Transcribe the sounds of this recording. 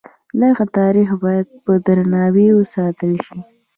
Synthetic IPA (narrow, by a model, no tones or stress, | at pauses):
laɣat̪ɑɾixbɑjad̪̚pəd̪ɾanɑwewəsɑt̪əlʃi